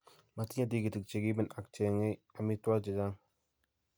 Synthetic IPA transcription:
ma˨˧t̪i˦ɲã˦d̪i˦ɡi˨t̪i˨k̚t͡ʃe˨ɡi˦be˦na˨k̚t͡ʃe˨ŋe˦a˨mi˦t̪wa˦d͡ʒe˨d͡ʒa˦ŋ

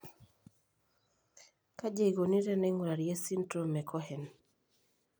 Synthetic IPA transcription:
ka˦d͡ʒe˦i˨ɡo˨ni˦ɾɛ˦nɛ˦ŋu˨ɾa˨ɾje˦si˦ntɾo˦˨mɛ˨kʰɔ˦hɛ˨n

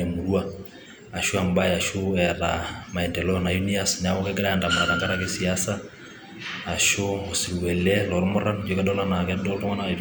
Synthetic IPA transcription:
e˨mu˨ɾu˦a˦ | a˨ʃo˦a˨mba˦ja˨ʃʊ˦ɛɾa̰˨ma˨ɛ˨ntɛ˨lɔ˦na˨ju˦nia˦sna˨wɔ˦kɛ˦kɛɾa˦ja˨nda˨ma˨ɾa˨ta˨ŋɡa˦ɾa˦ke˦si˨asaː˦˨ | ʃo˦o˨si˨ɾwɛ˨lɛ˦lɔ˨ɾmɔ˦ɾa˦nd͡ʒo˨˦kɛ˦dɔ˦la˦na˨kɛ˦dɔ˦ltɔ˦ŋa˦na˨

